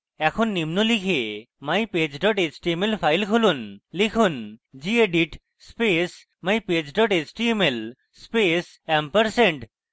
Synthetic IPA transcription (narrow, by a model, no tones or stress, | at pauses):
ɛkʰonːimnulikʰe | majped͡ʑɖɔʈet͡ʃʈiemelpʰajlkʰolunlikʰund͡ʑieɖiʈ | spes | majped͡ʑɖɔʈet͡ʃʈiemel | spes | ɛmpəɾseɳʈ